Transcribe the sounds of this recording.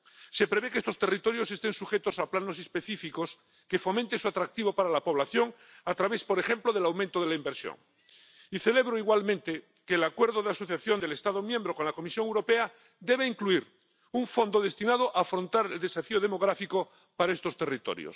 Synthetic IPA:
se̞pɾe̞βekeest̪o̞st̪e̞rit̪o̞ɾjo̞sest̪ẽ̞nsuxe̞t̪osaplano̞sespe̞θifiko̞s | ke̞fo̞mẽnt̪esuat̪ɾak̚t̪iβo̞paɾalapo̞β̞laθjo̞ŋ | at̪ɾaβe̞spo̞ɾexe̞mploðe̞lawmẽnt̪oð̞e̞laimbeɾsjo̰ŋ | iθe̞le̞β̞ɾoiɣwalmẽnt̪e | keːlakwe̞ɾðoðeaso̞θjaθjo̞nd̪elest̪aðomjembɾoko̞nlako̞misjo̞ŋewɾo̞pe̞a | d̪e̞β̞eiŋkluiɾ | uɱfo̞nd̪oðe̞st̪inaðoʔaːfɾo̞nt̪aɾeld̪e̞safioð̞emo̞ɣɾafiko | paɾae̞st̪o̞st̪e̞rit̪o̰ɾjo̰s

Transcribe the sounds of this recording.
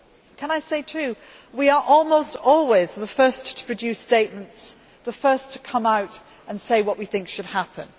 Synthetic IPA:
kʰə̃naɪseɪtʰʉ | wiə˞ʔɔlˠmoʊstɔlˠwɪzðəfɜ˞stʰə̥pʰɹ̥ɨdʉsteɪʔ̚mə̃nts | ðəfɜ˞stʰə̥kʰʌ̃maʊt | ə̃nseɪwʌʔwiθɪ̃ŋkʃɨd̚hapʰə̰̃n

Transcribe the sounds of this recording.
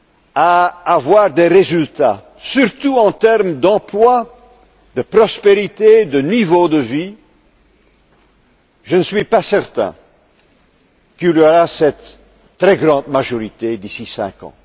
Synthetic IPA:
aːvwaːʁd̪eʁezylt̪a | syʁt̪uɑ̃t̪ɛʁmd̪ɑ̃plwa | d̪əpʁɔspeʁit̪ed̪ənivod̪əvi | ʒənəsɥipasɛʁt̪ɛ̰̃ | killaʁasɛt̪ː | ʁɛɡʁɑ̃d̪maʒɔʁit̪ed̪isisɛ̰̃kɑ̰̃

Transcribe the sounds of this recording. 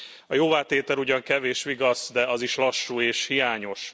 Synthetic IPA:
ɒjoːvaːt̪eːt̪ɛluɟɒŋkɛveːʃʋiɡɒsd̪ɛɒziʃlɒʃːuːeːʃhijaːɲo̞ʃ

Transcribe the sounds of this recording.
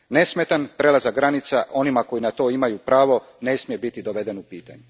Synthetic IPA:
ne̞smet̪anpɾe̞lazaɡɾanit̪saʔo̞nimako̞jinat̪o̞ːimajupɾaːʋo̞ | ne̞smije̞bit̪id̪oʋe̞d̪enupiːt̪a̰ɲu

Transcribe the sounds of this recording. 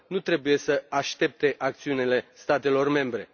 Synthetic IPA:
nut̪ɾe̞buje̞səaʃt̪e̞p̚t̪e̞ʔak̚t̪siunile̞st̪at̪e̞lo̞rme̞mbɾe̞

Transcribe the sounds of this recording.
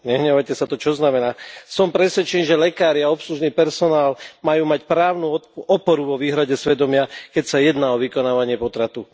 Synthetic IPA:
ɲɛɦɲɛʋajcɛsat̪ɔt͡ʃɔznamɛnaːsɔmpɾɛsʋɛt͡ʃɛniʒɛlɛkaːɾɪaɔpsluʒniːpɛɾsɔnaːlmajuːmacpɾaːʊnuɔpɔɾuʋɔʋiːɦɾaɟɛsʋɛd̪ɔmɪakɛcsajɛd̪naːɔʋikɔnaːʋaɲɪɛpɔt̪ɾat̪u

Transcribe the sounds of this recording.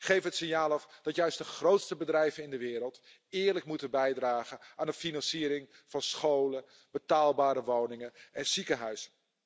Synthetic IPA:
χejvəətsɪnjaːlˠɔfd̥ɑtjœɥstd̥əχrowtstəbədrɛjvənɪndəʋɪːɾəlˠt | ɪːɹləkmutəbɛjdraːχənaːndəfinɑnsiːɾɪŋ | v̥ɑnsχowlə | b̥ətaːlˠbaːɾəʋownɪŋənɛnsikəɦœɥsə

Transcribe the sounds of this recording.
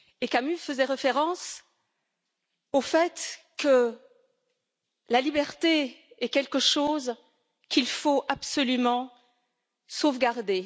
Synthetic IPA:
ekamyfəzɛʁefeʁɑ̃s | ofɛt̪kə | lalibɛʁt̪eɛkʲɛlkəʃoz | kʲilfoapsɔlymɑ̃ | sovɡaʁd̪e

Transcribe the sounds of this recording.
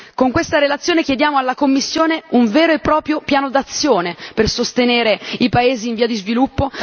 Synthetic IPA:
koŋkwest̪aɾelat̪sːjoːnekjed̪jaːmoalːakomːisːjoːneuɱveːɾoepːɾɔːpɾjopjaːnod̪at̪sːjoːnepersost̪eneːɾeipaeːziːɱviːad̪izvilupːo

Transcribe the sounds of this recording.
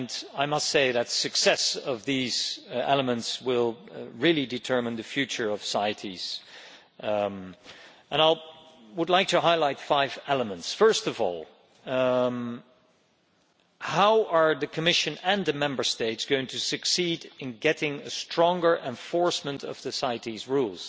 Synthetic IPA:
naɪmʌstseɪðɨtsɨksɛsʌvðiz̥ɛ̰lˠəmə̃ntswɪlˠɹɪlˠidɨtʰɜ˞mɨ̃nðɨfjʉt͡ʃə˞ʌv̥saɪɨɾʰiz̥ | ə̃naɪl | wədˡlaɪk̚tʰɨɦaɪlaɪtfaɪvɛlˠəmə̃ntsfɜ˞stʌvɔ̰lˠ | haʊʔə˞ðɨkʰɨmɪʃɨ̃nɨ̃nðɨmɛ̃mbə˞steɪtsɡ̥oʊɪ̃ŋtʰɨsɨksidɨ̃nɡɛɾɪ̃ŋɨstɹ̥ɔ̃ŋɡə˞ʔɛ̃ɱfɔɹsmə̃ntʰʌ̰v̥sɨsaɪɨɾizɹulˠz̥

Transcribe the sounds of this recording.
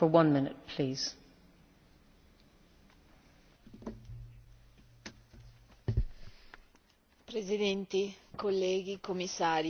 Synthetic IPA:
fə˞wʌ̃nmɪnɪ̰t̚pʰl̥iːz̥ | pɾezid̪ɛnt̪ikolːɛːɡikomːisːaːɾ

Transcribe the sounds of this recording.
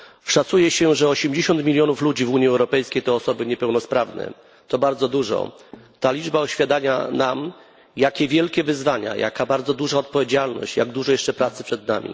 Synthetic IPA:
fʂat̪sujɛɕɛʐɛɔɕɛmd͡ʑeɕɔnt̪mʲilʲjɔnuflud͡ʑivuɲiɛwɾɔpɛjskʲejt̪ɔɔsɔbɘɲɛpɛwnɔspɾavnɛ̰ | t̪ɔbaɾd̪zɔd̪uʐɔ̰ | t̪alʲid͡ʐbaɔɕfʲjad̪aɲa̰nam | jakʲɛvʲjɛlkʲɛvɘzvaɲa̰ja̰kabaɾd̪zɔd̪uʐaɔt̪̚pɔvʲed͡ʑalnɔ̰ɕt͡ɕjaɡd̪uʐɔjɛʂt͡ʂɛpɾat̪sɘ̥pʂɛd̪na̰mʲḭ

